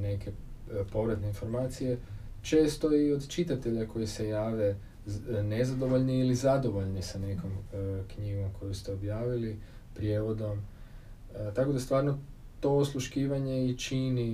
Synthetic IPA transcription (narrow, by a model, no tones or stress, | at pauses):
ne̞ke̞po̞ʋɾat̪ne̞info̞ɾmaːt̪sije̞ | t͡ʃe̞ːst̪o̞iod̪t͡ʃit̪at̪e̞ʎako̞jise̞jaːʋe̞ | ne̞zad̪o̞ʋo̞ʎniilizad̪o̞ʋo̞ʎnisane̞ko̞mkɲiɡo̞mkʰo̞just̪e̞objaːʋilipɾjeʋo̞d̪o̞m | t̪ako̞d̪ast̪ʋaːɾno | t̪o̞slˠuʃkiːʋaɲe̞it͡ʃini